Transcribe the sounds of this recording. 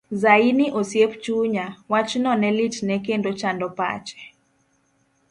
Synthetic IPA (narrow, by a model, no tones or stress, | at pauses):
zainiʔosjept͡ʃuɲawat͡ʃnɔnɛlitnɛkendot͡ʃandɔpa̰t͡ʃɛ̥